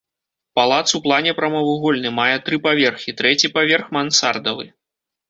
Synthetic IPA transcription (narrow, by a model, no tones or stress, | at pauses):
palˠat̪suwplˠanʲɛpɾɐmɐvuɣɔlʲnɨmajɛt̪ɾɨpavʲɛrxʲit̪ɾɛt͡sʲipavʲɛrxmansard̪ɐvɨ̰